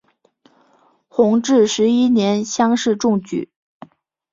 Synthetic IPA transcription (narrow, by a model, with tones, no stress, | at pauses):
xʊ˧˥ŋʈ͡ʂɻ̩˥˩ʂɻ̩˧˥i˥njɛ˧˥nɕjɑ˥ŋʂɻ̩˥˧ʈ͡ʂʊ˥˧ŋt͡ɕy̰˨˩˦